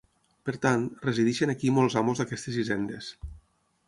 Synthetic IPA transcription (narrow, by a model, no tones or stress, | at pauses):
peɾt̪anreziðiʃenakimɔlˠzamozðakɛst̪ezizɛnd̪es